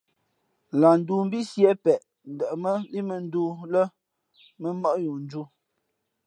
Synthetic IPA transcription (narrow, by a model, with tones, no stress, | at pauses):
la˨n̩˦du˦m̩˦bi˦sjɛ˦pɛ˨ʔ | n̩˨də˨ʔmə˦li˦mə˨n̩˦duː˦lə˦ | mə˦mɔ˦ʔju˨n˦d͡ʒu˦